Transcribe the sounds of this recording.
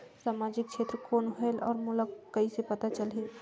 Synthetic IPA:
saːmaːd͡ʒɪk̚ʃʰeːt̪ɾəkoːnɦɛlɔːɾmʊləkkːɐisepɐt̪at͡ʃɐlɦi

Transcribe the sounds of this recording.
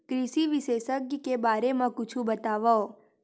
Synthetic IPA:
kɾiʃiʋiʃesəkjkebaɾemãkʊt͡ʃʰũbət̪aʋao

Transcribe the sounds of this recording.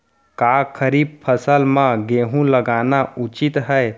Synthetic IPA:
kakʰəɾib̚pʰəsəlmãɡeːɦũləɡaːnaut͡ʃit̪ɦə

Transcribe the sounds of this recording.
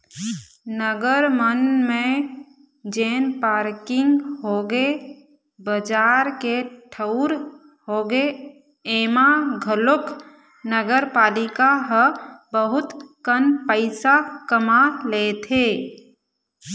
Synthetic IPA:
nəɡəɾmənmẽ | d͡ʒeːnpaːɾkɪ̃ŋɡɦoɡe | bəd͡ʒaːɾkeʈʰəʊɾ | hoːɡe | eːmaɡʱəlʊk | nəɡəɾpaːlɪkaɦəbəɦʊt̪kənpəɪsakəmaleːt̪ʰeː

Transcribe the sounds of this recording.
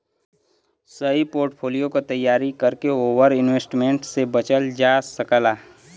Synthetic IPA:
səipoːɾʈpʰoːlijokot̪əjːaːɾikəɾkeoːʋəɾɪnweːsʈmẽɳʈsebət͡ʃəld͡ʒaːsəkəlaː

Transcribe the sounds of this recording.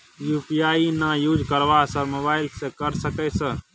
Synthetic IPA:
jupijainajud͡ʒkəɾʋasəɾmobaɪlsẽkəɾsəkɛsə

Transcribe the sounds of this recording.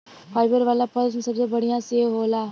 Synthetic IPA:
fʰaːɪbəɾʋaːlapəlzmsɐbsebəɽ̤ijãseːɦoːlaː

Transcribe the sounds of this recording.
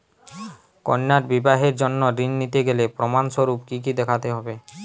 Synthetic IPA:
ko̰nːaɾbibaɦeɾd͡ʑonːoɾinːit̪eɡelepɾomanʃoɾupkik̬id̪ɛkʰat̪eɦɔbe

